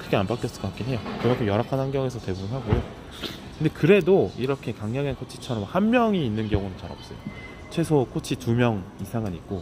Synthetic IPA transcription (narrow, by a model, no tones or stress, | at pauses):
kʰɯɡe̞anbak͈jʌs͈ɯ̥kokak͈inɦe̞jokɯɡakʰejʌɾakʰanhanɡjʌŋe̞sʰʌte̞bubɯnɦaɡojo | kkɯnde̞kɯɾe̞doiɾʌkʰe̞kaŋɲjʌŋenkʰot͡ɕʰit͡ɕʰʌɾʌmhanmjʌŋiːnːɯnɡjʌŋunɯnt͡ɕaɾʌ̰p̚s͈ʌ̰jo̰ | t͡ɕʰwe̞sʰokʰot͡ɕʰitumjʌŋisʰaŋɯnit̚k͈o